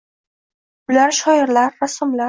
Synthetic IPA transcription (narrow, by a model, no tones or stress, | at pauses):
bʊlaɾʃɒɪɾlaɾːasɒmlaɾ